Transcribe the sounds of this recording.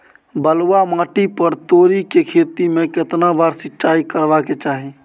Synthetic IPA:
bəlwamãːʈipəɾt̪oːɾikekʰeːt̪imẽkɪt̪nabaːɾsɪt͡ʃaːikəɾʋaket͡ʃaːɦi

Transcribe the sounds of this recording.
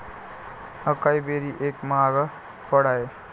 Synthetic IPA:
əkaːibeːɾiʔeːkmaːɡa | pʰəɽaːe

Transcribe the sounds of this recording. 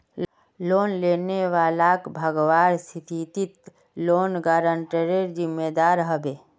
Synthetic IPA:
loːnleːneʋaːlakbʱəɡʋaːɾsʰit̪ʰit̪it̪ | loːnɡaːɾə̃ɳʈəɾeɾd͡ʒɪmːed̪aːɾɦəbeː

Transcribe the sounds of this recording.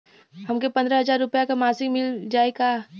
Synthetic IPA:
ɦɐmkepɐ̃nd̪ɾaɦɐzaːɾːʊpjakamaːsɪkmɪld͡ʒaːeɡa

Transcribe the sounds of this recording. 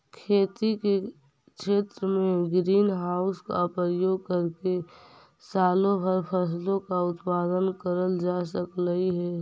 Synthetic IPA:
kʰeːt̪ike | kʃeːt̪ɾəmẽɡɾiːnɦaːʊska̰pəjoːɡ̚kəɾke | saːlõbʱəɾpʰəs̬lõkaʊt̪paːd̪ənkəɾəld͡ʒaːsəkləiɦɛː

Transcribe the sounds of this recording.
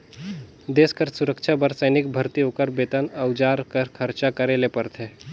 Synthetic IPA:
d̪eːskəɾsuɾəkʃʰabəɾsəjnikbʱəɾt̪iokəɾbet̪ənəwd͡ʒaɾkəɾkʰəɾt͡ʃakəɾelepəɾt̪ʰe

